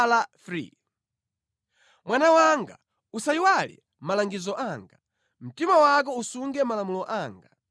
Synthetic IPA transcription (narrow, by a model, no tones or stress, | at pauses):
lafɾḭ | mwanawaŋɡa̰ | usaiwalḭ | malaŋɡizɔʔaːŋɡa | m̩timawak̬ɔusuŋɡɛmalamulɔʔaːŋɡa